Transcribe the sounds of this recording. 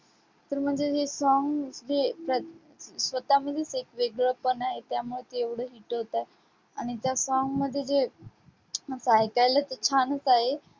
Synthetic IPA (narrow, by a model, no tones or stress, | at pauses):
t̪əɾm̤əɳd͡zeɦesɔŋɡd͡ʑepɾə | sʋət̪aməd̪ʱːjesekʋeɡɭəpənaɦet̪jamuɭet̪eeʋɽ̤əɦiːʈɦot̪ae | aɽ̃it̪jasɔŋɡməd̪ʱːjed͡ze | sajkajlat̪ət͡ɕʰanət͡saɦe